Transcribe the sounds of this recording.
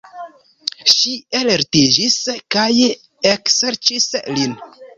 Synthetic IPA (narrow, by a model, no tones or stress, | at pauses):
ʃialeɾted͡ʒiskaj | ekseɾt͡ʃislin